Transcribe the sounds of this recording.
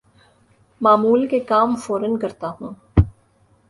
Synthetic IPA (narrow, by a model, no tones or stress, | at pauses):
maːmuːlkekaːmfoːɾənkɐɾt̪aɦũː